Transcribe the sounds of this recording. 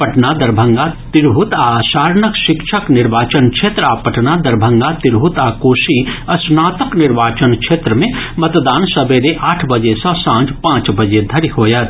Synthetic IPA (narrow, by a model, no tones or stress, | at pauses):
pɐʈnad̪ɐɾbʱə̃ŋɡat̪ɪɾɦut̪aːsaːɾnəkʃɪkʃʰəknɪɾʋaːt͡ʃənkʃʰeːt̪ɾəaːpəʈnad̪ɐɾbʱə̃ŋɡat̪ɪɾɦut̪aːkoːʃiɐsnaːt̪əknɪɾʋaːt͡ʃənkʃʰeːt̪ɾəmẽmɐt̪d̪aːnsɐbeɾeʔaːʈʰbɐd͡ʒesɔ̃sãːd͡ʒpãːt͡ʃbɐd͡ʒed̪ʱɐɾihoːjət̪